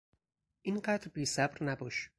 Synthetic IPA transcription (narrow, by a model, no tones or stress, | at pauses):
ʔinɢæd̪ɾbiːsæbɾnæbɒːʃ